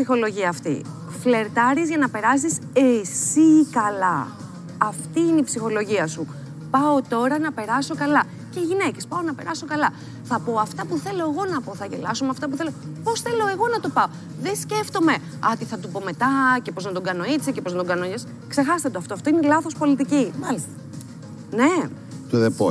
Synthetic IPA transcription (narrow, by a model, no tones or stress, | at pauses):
sixo̞lo̞ʝiɐːft̪ḭ | fle̞ɾt̪ɐɾizʝɐnɐpe̞ɾɐs̬is | esikɐlɐ̰ː | ft̪iineipsixo̞lo̞ʝiɐsu | pɐot̪o̞ɾɐnɐpe̞ɾɐso̞kɐlɐ | ce̞iʝine̞ce̞spɐo̞nɐpe̞ɾɐso̞kɐlɐ | θɐpo̞ɐft̪ɐpuθe̞lo̞e̞ɣo̞nɐpo̞θɐʝe̞lɐsomeɐft̪ɐp̬uθe̞lopo̞sθe̞lo̞e̞ɣo̞nɐt̪o̞pɐo | ðe̞sce̞ft̪o̞me̞ | ɐt̪iθɐt̪upo̞me̞t̪ɐcepo̞znɐt̪o̞ɡɐno̞it͡secepoznɐt̪oɡɐnoɲes | kse̞xɐst̪ɐt̪oft̪oɐft̪o̞inelɐθo̞spo̞lit̪icimɐlist̪ɐ | ne̞ | t̪uðepo